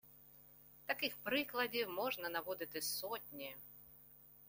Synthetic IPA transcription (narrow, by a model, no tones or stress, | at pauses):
t̪akɨxpɾɨklˠɐdʲiwmɔʐnɐnavɔd̪ʲɨt̪ɨsɔtʲnʲi